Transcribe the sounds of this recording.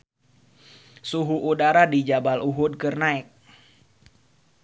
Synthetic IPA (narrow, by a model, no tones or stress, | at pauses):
suɦuʔudaɾadid͡ʒabalʔuɦʊd̚kərnaɛk̚